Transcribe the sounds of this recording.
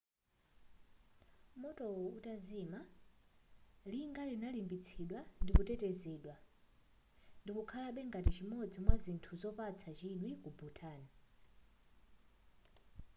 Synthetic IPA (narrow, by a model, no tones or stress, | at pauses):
mɔtɔutazima | liŋɡalinalimbit͡sʰiɗwandikutɛtɛzɛːɗwa | ndikukʰalaɓɛŋɡatit͡ʃimɔd͡zimwazintʰuzɔpat͡sʰat͡ʃiɗwikubutʰaːni